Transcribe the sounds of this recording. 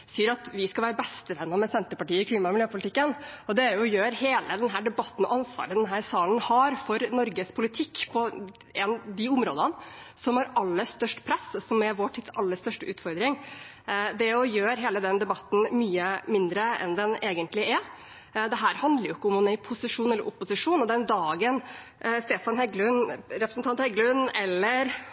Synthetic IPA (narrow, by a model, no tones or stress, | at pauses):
siːəɾɑt̪ʋɪskɑʋæːɾəbɛst̪əʋɛnːɑmɛsɛnt̪əpɑʈiːəɪkʰliːmɑɪmɪljøːpʰʊlɪt̪ɪkːənɔd̪ɛæɾjʊjøːɾheːləd̪ɛnɦæːɖɛbɑt̪ːən̩ɔ̰ʔɑnsʋɑ̰ːɾəd̪ɛnɦæːɾsɑːln̩hɑɾfɔɾnɔɾɡəspʰʊlɪt̪ʰɪkːpʰɔ | ɛnd̪ɪʊmɾoːd̪ən | sɔmhɑɾɑlːəst̪œʂʈpʰɾɛssɔmæɾʋoːʈʰɪt̪sɑlːəʂt̪œʂʈəʉːt̪fɔɾd̪ɾɪŋ | d̪ɛɔjøːɾɦeːləd̪ɛnd̪ɛbɑt̪ːn̩myːəmɪnd̪ɾəɛ̰nd̪ɛneːɡənt̪lɪʔæ | d̪ɛɦæːɾhɑnd̪ləɾjʊɪkːəʊmʊmæɪpʰʊsɪʂuːnɛlːəɾʊpːʊsɪʂuːnɔd̪ɛnd̪ɑːɡənst̪eːfɑnɦɛɡlʉnɾɛpɾəsnt̪ɑnt̪hɛɡlʉnɛlːəɾ